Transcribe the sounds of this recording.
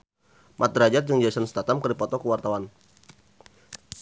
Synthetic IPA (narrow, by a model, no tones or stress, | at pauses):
mʔat̪̚ɾad͡ʒat̪̚d͡ʒəŋd͡ʒajsɔnst̪at̪amkərdipɔt̪ɔkəwart̪awan